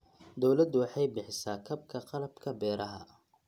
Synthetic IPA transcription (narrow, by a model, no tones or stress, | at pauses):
d̪ɔwlɐd̪ʊwɑħɑjbɪħɪsaːkʰɐb̚kʰɐqɑlɐbkʰɐbɛːɾɐɦɐ̰